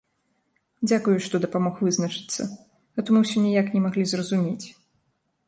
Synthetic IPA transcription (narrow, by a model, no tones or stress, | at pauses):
d͡zʲakujuʂt̪ɔd̪ɐpamɔxvɨznɐt͡ʂɨ̥t̪sːɐ̰ | ɣɛt̪ɔmɨwsʲɔnʲɛjaknʲɛmaɣlʲizrɐzumʲet͡sʲ